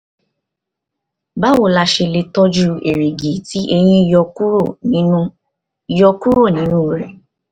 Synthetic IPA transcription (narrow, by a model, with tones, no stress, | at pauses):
ba˦wo˨la˧ʃe˧le˧tɔ˦d͡ʒu˧e˨ɾe˨ɡe˨˦ti˨˦ʔe˧j̃ĩ˦˧˨jɔ˧˦o˦˨ĩ˨˦ | i˨jɔ˧ku˦ɾo˦˨nĩ˨˦nũ˦˨ɾɛ˨